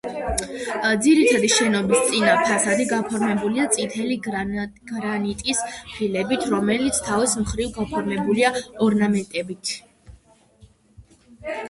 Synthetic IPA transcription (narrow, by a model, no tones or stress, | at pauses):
d̪ziɾit̪ʰad̪iʃɛnɔbist̪sʼinapʰasad̪iɡapʰɔɾmɛbuliat̪sʼit̪ʰɛliɡɡ̥ɾanit̪ʼispʰilɛbit̪ʰɾɔmɛlit̪sʰt̪ʰavismχɾivɡapʰɔɾmɛbuliaɔɾnamɛnt̪ʼɛbit̪ʰ